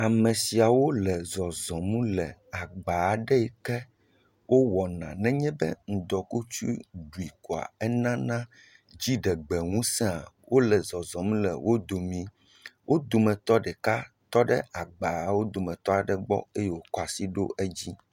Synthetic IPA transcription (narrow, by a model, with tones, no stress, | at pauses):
a˨mɛ̃˨si˨a˨wo˦lɛ˨zɔ˨zɔ̃˨mũ˦lɛ˨a˨ɡ͡ba˨ɖɛ˦ɛ˨kɛ˦ | wʔo˦wɔ˨nã̰˨nɛ̃˦ɲɛ̃˦bɛ˦ŋ̩˨d̪ɔ˨ku˦t͡ʃu˦ɖu˨i˨ko˨a̰˨ɛ˦nã˦nã˦ | d͡ʑi˦ɖɛ˨ɡ͡bɛ˨ŋũ˦sɛ̃˦a˨wʔo˦lɛ˨zɔ˨zɔ̃˨mũ˦lɛ̰˨wʔo˦d̪o˨mĩ˦ | wʔo˦d̪o˨mɛ̃˨t̪ɔ˦ɖɛ˨ka˦ | t̪ɔ˦ɖɛ˦a˨ɡ͡ba˨wo˦d̪o˨mɛ̃˨t̪ɔ˦a˨ɖɛ˨ɡ͡bɔ̰˦e˦jɛ˨wo˨kɔ˦a˨si˦ɖo̰˦ʔɛ˦d͡ʑi˦